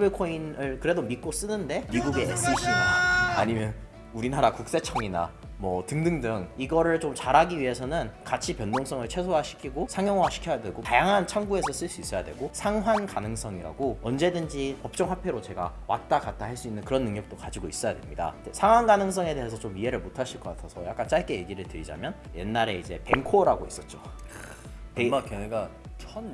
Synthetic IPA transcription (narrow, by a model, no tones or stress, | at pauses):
bekʰoinɯɭkɯɾe̞domit̚k͈os͈ɯnɯnde̞miɡuɡe̞es͈ʰiɕʰiaa̰ɲimjʌn | uɾinaɾakuk̚s͈e̞t͡ɕʰʌŋina̰ | mwʌtɯŋdɯŋdɯŋiɡʌɾɯɭt͡ɕomt͡ɕaɾaɡiɥiɦe̞sʰʌnɯnkat͡ɕʰipjʌndoŋs͈ʰʌŋɯɭt͡ɕʰe̞sʰoaɕʰi̥kʰiɡosʰaŋjʌŋwaɕʰi̥kʰjʌjadwe̞ɡotajaŋɦant͡ɕʰaŋɡue̞sʰʌs͈ɯɭs͈uis͈ʌjadwe̞̰ɡosʰaŋɦwankanɯŋs͈ʰʌŋiɾa̰ɡoʌnd͡ʑe̞dɯnd͡ʑipʌp̚t͡ɕ͈ʌŋɦapʰe̞ɾot͡ɕe̞ɡa̰wa̰t̚t͈akat̚t͈ahaɭs͈uinːɯnkɯɾʌnːɯŋɲʌk̚t͈okad͡ʑiɡois͈ʌjadwe̞mɲida̰tesʰaŋwanɡanɯŋs͈ʰʌŋe̞de̞ɦesʰʌt͡ɕomiɦe̞ɾɯɭmotʰaɭɕʰiɭk͈ʌk͈atʰasʰʌja̰k͈ant͡ɕ͈aɭk͈e̞je̞ɡiɾɯɭtɯɾid͡ʑa̰mjʌnje̞nːaɾe̞id͡ʑe̞pe̞ŋkʰoɾaɡois͈ʌt̚t͡ɕ͈o | emakeneɡat͡ɕʰʌn